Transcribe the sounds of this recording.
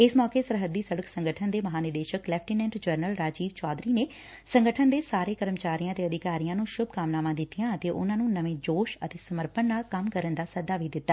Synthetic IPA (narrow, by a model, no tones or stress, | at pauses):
ɪsmɔːkeːsəɾɦəd̪ːiːsəɽəksə̃ŋɡəʈʰənd̪eːməɦaːnɪd̪eːʃəklɛːpʰʈiːnɛ̃ːɳʈd͡ʒəɾnəlɾaːd͡ʒiːɡt͡ʃɔːd̪ɾiːneː | səŋɡəʈʰənd̪eːsaːɾeːkəɾəmt͡ʃaːɾijãːd̪eːəd̪ɪkaːɾijãːnũːʃʊbʱkaːmnaːmãːd̪ɪt̪ːijãːət̪eːʔʊ̰nãːnũːnəʋẽːd͡ʒoːʃət̪eːsəməɾpənːaːkəmkəɾənd̪aːsəd̪aːʋiːd̪ɪt̪ːaː